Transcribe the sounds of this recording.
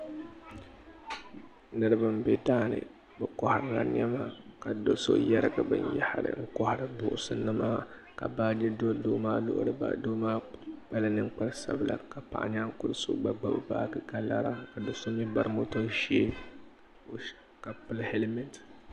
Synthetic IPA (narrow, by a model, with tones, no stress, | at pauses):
nɨ˦ɾɨ˦bɨ˦m˦bɛ˦daː˦nɨ̰˨ | bɨ˨kɔ˦˨ha˨ɾɨ˨la̰˨n˦ɛ˦ma˦ka˨do˦so̰˦jɛ˦ɾɡa˨bɨ̰˨ɲjɛ˦ha˦ɾɨ̰˨ŋ̩˦kɔ˦ha˨ɾɨ˦bʊ˨ʔʊ˦sɨ˦nɨ˦maː˦ | ka̰˨baː˦d͡ʒɛ˦do˦doː˦maː˦lʊ̰˦ʔʊ̰˦ɾɨ˦ba̰˨do˦maː˦k͡pa˦la˦nɨ˦ŋk͡pa˦ɾsa̰˨bɨ˨la̰˨ka˨pa̰˨ʔa˨ɲa˦ŋ̩˦kʊ˦lso̰˦ɡ͡ba˨ɡ͡ba˨bɨ˦˨ba̰ː˦ɡɨ˦ɡa˨la̰˦ɾa˦ka˨do˦so˦mi˦ba˨ɾmo˦to˦ʃe˦˨ | ka˨pɨ˦lhe˦lmɛ˦nt